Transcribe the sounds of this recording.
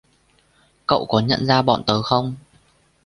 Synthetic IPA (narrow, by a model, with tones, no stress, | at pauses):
kə̰˧˨wkɔ˨˦ɲə̰˧˨nzaː˧ɓɔ̰˧˨nt̪əː˨˦xə˧wŋ͡m